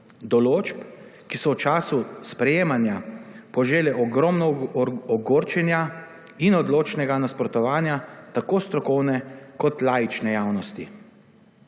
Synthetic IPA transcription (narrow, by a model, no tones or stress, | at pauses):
d̪ɔloːt͡ʃpkisɔwt͡ʃaːsuspɾɛjeːmanjapɔʒeːlɛʔɔɡɾɔmnɔɔɡoːɾt͡ʃɛnja | inɔd̪loːt͡ʃnɛɡanaspɾɔt̪ɔʋaːnjat̪akoːst̪ɾɔkɔwnɛkɔt̪laːjit͡ʃnɛjaːwnɔst̪i